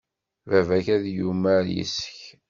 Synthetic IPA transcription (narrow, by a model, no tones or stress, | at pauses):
vævæçæðjumæɾjḭsə̥ç